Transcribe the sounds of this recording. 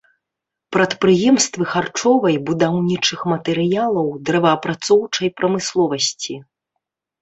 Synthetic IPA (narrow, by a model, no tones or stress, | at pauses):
pɾɐt̪pɾɨjɛmst̪vɨxart͡ʂɔvɐjbud̪awnʲit͡ʂɨxmɐt̪ɛɾɨjalˠɐwd̪ɾɛvɐːpɾat̪sɔwt͡ʂɐjpɾʔɐmɨslˠɔvɐsʲt͡sʲi